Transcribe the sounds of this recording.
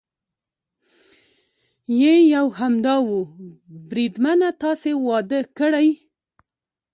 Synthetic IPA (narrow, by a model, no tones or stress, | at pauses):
jejawhamd̪ɑwubɾid̪manat̪ɑsewɑd̪əkəɽaj